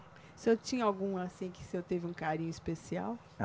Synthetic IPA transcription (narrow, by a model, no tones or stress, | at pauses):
sɪewt͡ʃĩɲɐawɡũasĩkɪ̥sɪewt̪evɪũkaɾĩɲʊispesia̰w